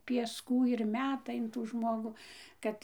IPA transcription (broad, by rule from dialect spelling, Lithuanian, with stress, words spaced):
pʲiɛsˈkuː ɪr ˈmʲæːtɐ ɪn ˈtuː ˈʒmoːɡuː ˈkɐt